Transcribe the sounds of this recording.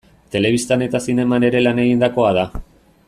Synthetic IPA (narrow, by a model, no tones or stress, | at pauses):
t̪e̞le̞β̞ist̪ane̞t̪asine̞mane̞ɾe̞lane̞ɣ̞ind̪ako̞að̞a